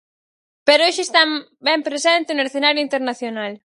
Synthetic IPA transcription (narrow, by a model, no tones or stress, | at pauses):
peɾʊeʃest̪am | bɛmpɾesent̪ɪneɾsθenaɾjoint̪eɾnaθjonal